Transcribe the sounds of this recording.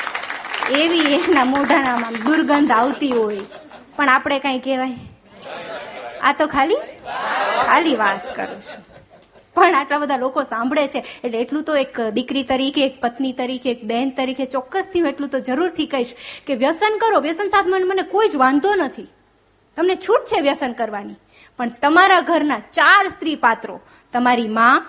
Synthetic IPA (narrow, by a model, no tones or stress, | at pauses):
eʋienamoɖʱanamãnd̪uɾɡənd̪ʱaʋt̪iɦojpəɳapɽ̃ekãĩkeʋaj | a̰t̪okʰali | kʰaliʋat̪kə̰ɾũt͡ʃʰũ̥ | pəɳaʈlabəd̪ʱalokosãmbʱɽet͡ʃʰeːʈleːʈlũt̪oekd̪ɪkɾit̪əɾikʰeːk̚pət̪nit̪əɾikʰeːk̚bɛnt̪əɾikʰet͡ʃɔkːəst̪ʰiũeʈlũt̪od͡ʒəɾuɾt̪ʰikəɦiʃkeʋjəsənkəɾoʋjəsənsat̪ʰmãnmənekoid͡ʒʋãnd̪onət̪ʰi | t̪əmnet͡ʃʰuʈ̚t͡ʃʰeʋjəsənkəɾʋani | pəɳt̪əmaɾaɡʱəɾnat͡ʃaɾst̪ɾipat̪ɾo̰ | t̪əmaɾimã